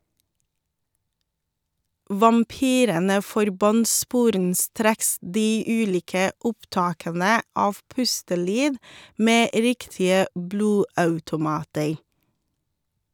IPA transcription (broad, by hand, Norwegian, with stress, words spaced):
ʋɑmˈpyːɾənə fɔɾˈbɑnt ˈspuːɾənˌstɾeːks ˈdiː ˈʉːˌliːkə ˈʊpˌtɑːkənə ˈɑːʋ ˈpʉstəˌlyːd ˈmeː ˈɾɪktɪə ˈbluːˌɑʉtʊˌmɑːtəɾ